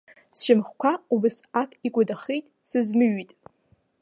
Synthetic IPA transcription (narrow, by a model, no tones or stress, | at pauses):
sʃɪmχkʷʰaubɨsakʼikʷʼʊdaχijtʼsɨzmɨɥitʼ